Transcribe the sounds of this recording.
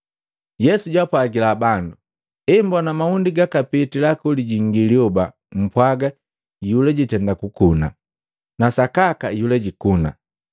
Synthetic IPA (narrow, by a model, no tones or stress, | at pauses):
jɛsuɟwapwaɡilabandu | imbɔnamaundiɡakapitilakuliɟiŋɡiliɔba | m̩pwaɡa | julɛɟitɛndakukuna̰ | nasakakajulɛɟikuna